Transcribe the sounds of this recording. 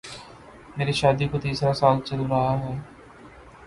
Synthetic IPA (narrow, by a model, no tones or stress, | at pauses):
meːɾiʃaːd̪iːkot̪iːsɾasaːlt͡ʃəluɾəɦaɦɛː